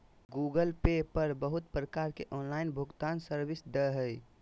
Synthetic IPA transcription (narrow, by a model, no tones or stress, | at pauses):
ɡuːɡəlpepəɾbəɦʊt̪̚pɾəkaːɾkeʔɔːnlaːɪnbʱʊɡt̪aːnsəɾbɪsd̪əɦəj